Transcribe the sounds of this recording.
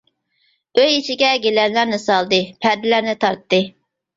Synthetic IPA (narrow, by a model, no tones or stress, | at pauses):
øjit͡ʃʰiɡʲɛɡʲelɛnlæɾnɪsɑlˠd̪ɨpʰæɾd̪ɪlæɾnɪt̪ʰɑɾt̪ːɨ